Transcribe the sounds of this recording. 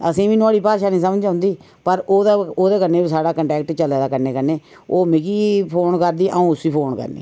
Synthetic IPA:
əsĩːʋĩːnoaːɽiːpaːʃaːnĩːsəmd͡ʒãʊ̃ːnd̪iː | pəɾoːd̪aːoːd̪eːkənːeːbiːsaːɽaːkəɳʈɛːk̚ʈt͡ʃəleːd̪aːkəɾneːkəneː | oːmɪkiːpʰoːnkəɾd̪iːʔəũːʊsʋiːpʰoːnkə̰ɾnḛː

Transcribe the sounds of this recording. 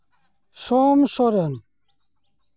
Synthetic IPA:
soːmsoɾen

